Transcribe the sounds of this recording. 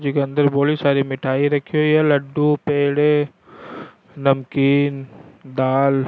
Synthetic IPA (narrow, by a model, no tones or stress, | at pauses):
d͡ʒikeɐ̃nd̪əɾboːlisaːɾimɪʈʰaːiɾɐkʰːiojelɐɖːupeːɽe | nɐmkiːnd̪aːl